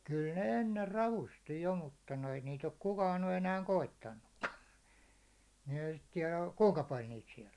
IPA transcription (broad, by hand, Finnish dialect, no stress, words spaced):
kyl ne enːer rɑʋusti jo mutːɑ noi niːt ok kukɑːn ny enæːŋ koitːɑnːukːɑ ni ehæ sit tiɛlæ kuŋkɑ pɑl niːt siɛl